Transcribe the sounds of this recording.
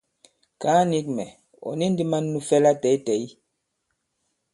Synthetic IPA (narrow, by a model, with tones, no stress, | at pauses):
kaː˨˦ni˦k̚mɛ̰˨ | ɔ̰˨ni˦n˦di˦ma˦nːu˦fɛ˦la˦tɛ˨i˦tɛ˨i˦